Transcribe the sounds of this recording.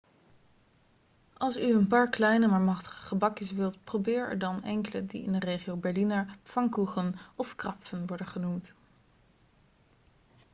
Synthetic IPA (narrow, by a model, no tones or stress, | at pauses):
ʔɑlˠsyənpaːɹklɛjnəmaːɹmɑχtə̥χə̥χəbɑkjəsʋɪlˠtprowbɪːɹɛ̰ɹdɑnɛ̰ŋkələdḭɪ̰ndərejχiowbɛɹlinafɑŋkuχənɔfkrɑpfənʋɔɹdənχənumt